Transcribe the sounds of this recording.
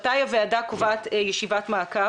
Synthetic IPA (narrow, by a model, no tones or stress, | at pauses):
tajaveadakovaːtjɛʃivatmaːka